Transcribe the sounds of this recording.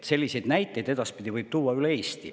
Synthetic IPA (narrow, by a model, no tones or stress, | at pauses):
t̪se̞lʲːise̞jd̪næjt̪ːˑe̞jd̪e̞d̪ɑspid̪̥ʲivɯjb̥t̪uːwːɑylee̞ːst̪ḭ